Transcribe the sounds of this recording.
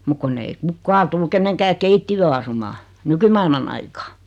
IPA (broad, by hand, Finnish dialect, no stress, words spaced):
muk kunː ei kukːɑː tul keneŋkæː keitːijøː ɑsumɑː nykymɑilmɑn ɑikɑː